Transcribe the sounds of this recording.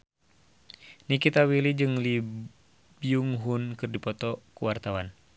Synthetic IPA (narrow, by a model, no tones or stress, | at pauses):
nikit̪awilid͡ʒɨŋli | biuŋɦunkɨrdipɔt̪ɔkuwart̪awan